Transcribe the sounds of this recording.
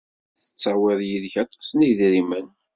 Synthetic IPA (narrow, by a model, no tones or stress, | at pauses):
θə̥t͡sːɑwɪðˤjiðçɑt̪ˤɑ̥sniʝðɾimən